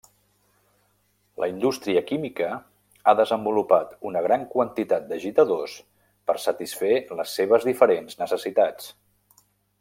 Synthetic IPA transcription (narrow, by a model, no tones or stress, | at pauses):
lʔə̰ind̪ust̪ɾiəkimikə | aðəzəmbulupat̪unəɣ̞ɾaŋkwənt̪it̪at̪̚d̪əʒit̪əðos | pəɾsət̪isfeləsːeβ̞əzðifəɾenznəsəsit̪at͡s